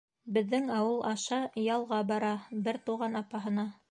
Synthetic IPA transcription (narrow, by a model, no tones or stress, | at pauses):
bɘ̆ðːɘŋɑwɤlˠʔɑʃɑjɑlˠʁɑbɑɾɑbɘɾt̪uʁɑnɑpɑɦɤ̆nɑ